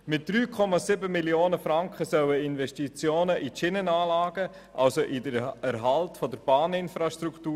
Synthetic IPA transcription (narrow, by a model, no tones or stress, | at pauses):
mɪt̚d̥ɾyːkʰɔmɑsɪbəmiljoːnəfɾɑŋkχəsœwəɪnvɛʃtit͡sjoːnəʔit͡ʃɪnənaːlaːɡ̥ə | ʔa̰lsoʔidəæɾɦɑltfɔdəɾb̥ɑːnɪnfɾaʃtɾuktuː